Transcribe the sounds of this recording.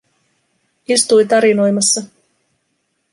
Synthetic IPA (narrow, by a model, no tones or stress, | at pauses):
ist̪ujt̪ɑɾino̞jmɑsːɑ